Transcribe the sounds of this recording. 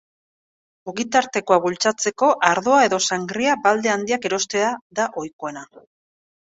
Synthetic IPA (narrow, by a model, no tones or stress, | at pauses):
uɣit̪aɾt̪e̞ko̞aβult͡sat͡se̞ko̞ʔaɾðo̞ae̞ðo̞saŋɡɾiabald̪e̞and̪iake̞ɾo̞st̪e̞aðaʔo̞jkoe̞na